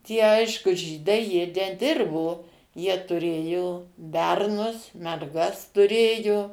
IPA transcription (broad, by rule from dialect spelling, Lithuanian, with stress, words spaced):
tʲiɛ ˈɐɪʃkʊ ˈʒʲiːdɐɪ ˈjiɛ nʲɛˈdʲɪrboː ˈjiɛ tʊˈrʲeːjoː ˈbʲɛrnʊs mʲɛrˈɡɐs tʊˈrʲeːjʊ